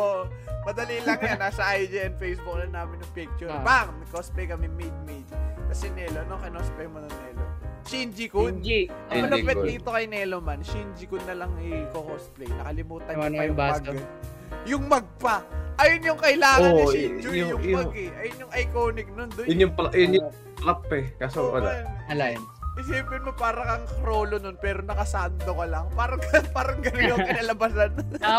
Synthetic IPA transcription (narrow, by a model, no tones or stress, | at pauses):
oʔ | mɐd̪ɐlilɐŋjanaːsɐʔajd͡ʒɛɛnfejsbuk̚lɐnaːmɪnːʊŋpik̚t͡ʃʊpaŋnɐkosplɛjkɐmɛmejd̪̚mejd̪̚kɐsɛnɛːlonoŋkɐnosplɛjmonɐŋnɛːloʃind͡ʒikʊd̪ɐlɐpɛtd̪iːt̪o̞kɐjnɛːlomɐnʃind͡ʒɪkʊd̪̚nːɐlɐŋɪkokosplɛjnɐkɐlɪmuːt̪ɐnpɐjʊamaɡ | jʊŋmɐɡ̚pɐʔɐjonjʊŋkɐʔɪlaːŋɐnɪsid͡ʒʊjʊŋmɐɡɛʔɐjonjʊŋʔɐjkoːnɪk̚nond̪ojʊnjʊŋpjʊnjʊŋ | pɾapːɛkɐsoʔlaɐlanʔɪsiːpɪnmopaːɾɐkɐŋkɾo̞ːlo̞nonpɛːɾo̞nɐkɐsaːnt̪okɐlɐŋpaːɾɐŋkpaːɾɐŋɡɐlɪŋokɪnalɐbasan